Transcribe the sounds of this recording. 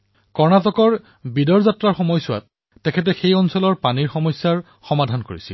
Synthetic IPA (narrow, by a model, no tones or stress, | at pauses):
kɔɹnatɔkɔɹ | bidɔɹzatɹaɹxɔmɔjsʊwa̰t̚ː | ɛkʰɛt̬ɛxejɔnsɔlɔɹpaniɹxɔmɔjsjaɹ | xɔmadʱankoɹisḭl